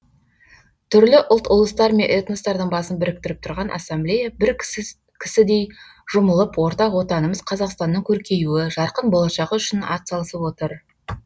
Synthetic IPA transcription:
t̪ʰʏɾlɪʔʊlˠt̪ʊlˠəst̪ɑɾme̞nʔet̪nost̪ɑɾd̪əɴbɑsənbɪɾɪk̚t̪ɪɾɪp̚t̪ʰʊɾʁɑnʔɑ̰sːemblʲejabɪɾ | kʲʰɪ̥sɪd̪e̞j | ʒ̥ʊməlˠəpwo̞ɾt̪ɑqwo̞t̪ɑnəməzqʰɑzɑqst̪ɑnːəɴkʲʰɵɾkʲʰe̞j̪uɪʒɑɾqənbo̞lˠɑʃɑʁəʏʃɪnɑ̰t̪sɑlˠəsəpwo̞t̪əɾ

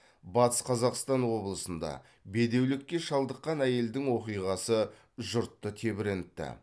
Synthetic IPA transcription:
bɑt̪ə̥sqʰɑzɑqst̪ɑnwo̞blˠəsənd̪ɑ̰ | be̞d̪e̞wlɪkʲːeʃɑlˠd̪əqːɑnæje̞ld̪ɪŋwo̞qijʁɑsə | ʒʊɾt̪ːət̪ʰe̞bɪɾent̪ːɪ̰

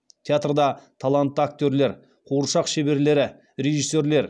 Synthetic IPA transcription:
t̪ʰeat̪rd̪ɑt̪ʰalˠant̪ːəak̚t̪ʲøɾle̞ɾ | qʰoɾʃɑqʃe̞be̞ɾle̞ɾɪ | ɾe̞ʒisːe̞ɾle̞ɾ

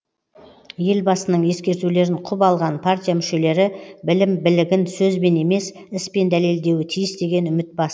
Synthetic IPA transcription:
je̞lbɑsənəɴje̞skʲe̞ɾt̪ule̞ɾɪɴqʰʊbɑlˠʁɑnpʰart̪ʲijamʏʃe̞le̞ɾɪbɪlɪmbɪlɪɡʲɪnsɵzbe̞ne̞me̞s | ɪspe̞nd̪æle̞ld̪e̞wɪt̪ʰijɪsd̪e̞ɡʲe̞nʏmɪt̪̚bɑs

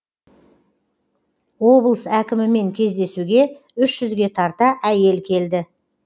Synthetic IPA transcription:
wo̞blˠəsækʲɪmɪme̞ŋkʲʰe̞zd̪e̞suɡʲe̞ | ʏʃʒ̥ʏzɡʲe̞t̪ʰɑɾt̪ɑʔæje̞lkʲʰe̞ld̪ɪ

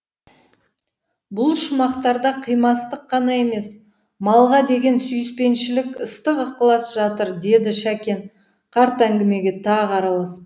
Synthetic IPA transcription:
bʊlˠʃʊmɑqt̪ɑɾd̪ɑqʰijmɑst̪əqʰːɑnɑe̞me̞s | mɑlˠʁɑd̪e̞ɡʲe̞nsyjɪspe̞nʃɪlɪkəst̪əqəqəlˠɑsʒɑt̪əɾd̪e̞d̪ɪʃækʲe̞n | qʰɑɾt̪æŋɡʲɪme̞ɡʲe̞t̪ʰɑʁɑɾɑlˠɑs

